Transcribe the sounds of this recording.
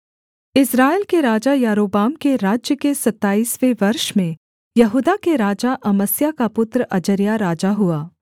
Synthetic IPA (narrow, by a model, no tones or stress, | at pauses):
ɪsɾaːelkeɾaːd͡ʒajaːɾoːbaːmkeɾaːd͡ʒjəkesɐt̪ːaːiːsʋeʋɐɾʃmẽ | jɐɦuːd̪akeɾaːd͡ʒaʔɐməsjakapʊt̪ɾəɐd͡ʒəɾjaɾaːd͡ʒaɦʊaː